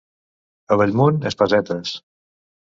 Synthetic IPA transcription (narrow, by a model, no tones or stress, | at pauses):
əβəʎmonespəzɛt̪əs